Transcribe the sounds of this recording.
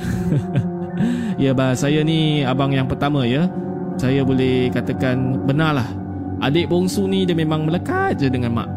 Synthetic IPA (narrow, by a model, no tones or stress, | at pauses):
jəbasajaniabaŋjaŋpərt̪amə̃jə | sajabolɛhkat̪əkanbənalah | ʔa̰deʔboŋsunidəmemãŋmələkat̪̚d͡ʒədəŋanma̰ʔ